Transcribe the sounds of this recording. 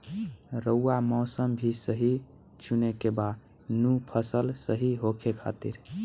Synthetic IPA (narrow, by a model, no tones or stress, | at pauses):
ɾəuːamɔːsəmbʱisəɦi | t͡ʃʰunekebad̪ | nũpʰəsəlsəɦiɦokʰekʰa̰t̪ḭɾ